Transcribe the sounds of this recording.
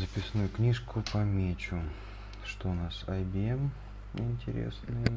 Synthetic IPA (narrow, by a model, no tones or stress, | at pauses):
zəpʲɪsnujʊknʲiʂkʊpɐmʲet͡ɕʊ | ʂt̪oʊnasɐjbʲɪem | ɪnʲtʲɪɾʲḛsnɨjə